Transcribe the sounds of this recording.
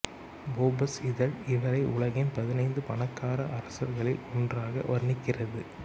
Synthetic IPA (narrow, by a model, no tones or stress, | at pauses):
boːbɐsɪðɐlɪʋɐɾɐɪʔʊɭɐɣɪnpɐðɪnɐɪnd̪ɯpɐɳɐkːaːɾɐʔɐɾɐsɐɾɣɐɭɪ̰lɔndraːɣɐ̰ʔɐɾnɪkːɪrɐðɯ